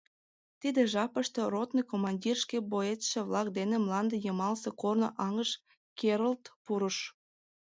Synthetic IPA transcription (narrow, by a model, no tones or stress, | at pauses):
t̪id̪eʒɑpəʃt̪erot̪nijkomɑnʲdʲirʃkeboet̪ʃĕβlɑk̚d̪enemlɑnd̪ejəmɑlsekorno̰ʔɑŋəʃ | keɾolt̪puɾəʃ